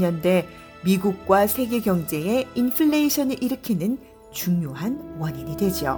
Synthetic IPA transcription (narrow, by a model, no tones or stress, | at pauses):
ʌnde̞ | miɡuk̚k͈wasʰe̞ɡe̞ɡjʌŋd͡ʑe̞einpʰɯɭːeiɕʰʌnɯɭʔiɾɯkʰinɯn | t͡ɕuŋjoɦanwʌɲiɲidwe̞d͡ʑio̰